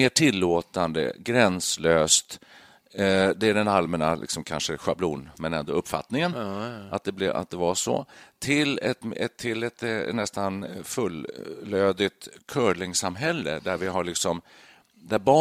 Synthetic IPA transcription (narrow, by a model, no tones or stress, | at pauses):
eːʈʰɪlːoːt̪and̪ə̰ɡɾɛnsløːst̪ | d̪ɛæɖɛnalmɛnalʔɪ̰ksɔmkʰa̰nʂəɧablṵːnmɛnɛnd̪oːɵpːfa̰t̪nɪŋənʔat̪̚d̪ɛblɛa̰t̪̚d̪ɛvaʂɔ̰t̪ʰɪlɛt̪ɛt̪ʰːɪlɛt̪nɛst̪anfɵlːøːd̪ɪt̪kʰœːɭɪŋsamɦɛlːə̰d̪æɾvɪɦaɭɪksɔm | d̪æɾbɑː